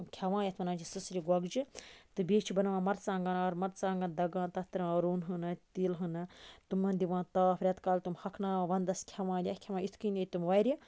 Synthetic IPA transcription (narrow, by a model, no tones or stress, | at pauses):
kʲʰɐʋãːjɐt̪ʰmɐnãːt͡ʃʰisɨsɾʲiɡwɐɡd͡ʒɨt̪ɨbeːt͡ʃʰibɐnɐʋãːmɐɾt͡sãːŋɡɐnaːɾmɐɾt͡sãːŋɡɐnd̪ɐɡãːnt̪ɐt̪ɾãɾuːnɦɨnɨt̪iːlɦɨnɨt̪umːɐnd̪iʋãːt̪aːfʰɾʲɐt̪kaːlt̪umhɐkʰnaːʋɐnd̪ɐskʲʰɐʋãːlʲjɐhkʲʰɐʋaːit̪ʰkinʲɐt̪umʋɐɾʲi